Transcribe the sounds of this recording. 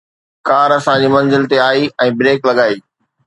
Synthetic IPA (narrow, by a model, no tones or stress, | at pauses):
kaːɾɐsãd͡ʑiːmɐ̃nzɪlt̪eaːiɛ̃ːbɾeːklɐɠaːiː